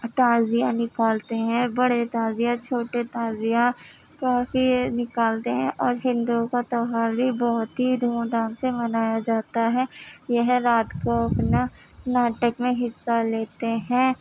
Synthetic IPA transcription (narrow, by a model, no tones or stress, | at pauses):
t̪aːzijãnɪkaːlt̪eɦɛ̃bɐɽet̪aːzijãt͡ʃʰoːʈet̪aːzijã | kaːfinɪkaːlt̪eɦɛ̃ʔɔːɾɦɪ̃nd̪ukat̪ɔɦaːɾbibɔɦʊt̪ɦid̪ʱuːd̪aːnsemɐnaːjad͡ʒaːt̪aɦɛjɛɦɾaːt̪koɐpna | naːʈəkmẽɦɪsːaleːt̪eɦɛ̃ː